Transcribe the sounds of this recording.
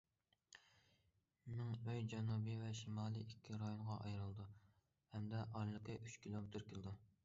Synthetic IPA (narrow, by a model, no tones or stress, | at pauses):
nɪŋøjd͡ʒɛnubivɛʃimɑːlˠiikʲʰːiɾɑjoɴʁɑʔɑjɾɨlˠd̪u | hɛmd̪ɛʔɑɾlˠɨqʰɨʔyt͡ʃkʲilˠomɪt̪ʰɪɾkʲʰɪld̪u